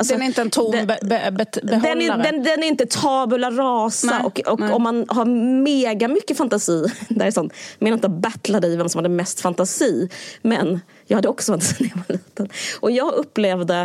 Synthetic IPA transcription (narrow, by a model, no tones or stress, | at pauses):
alsɔɛnɾɪnt̪əɛnt̪ʰumɛbɛbɛhd̪ɛndd̪ɛnd̪ɛnæɾɪnt̪ət̪ʰɑːbələɾɾɑːsaʔɔkɔkɔmːanhaɾmeːɡamʏkːəfant̪asiːd̪æɾsɔnːmeːnaɪnt̪əbat̪lad̪ɪvɛmsɔmhad̪ːəmɛst̪fant̪asiːmɛn | jɑːɡhad̪ːəɔksɔfant̪asiːnvaliːt̪ənʔɔjɑːɡɵpːleːvd̪ə